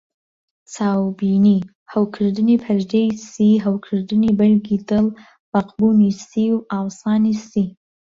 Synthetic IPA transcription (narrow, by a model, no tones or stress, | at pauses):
t͡sʰɑwbini | hawkʰəɾd̪ənipʰaɾd̪ejsiɦawkʰəɾd̪ɨnibalɡid̪əl | b̥aqbunisiwɑwsɑːnisi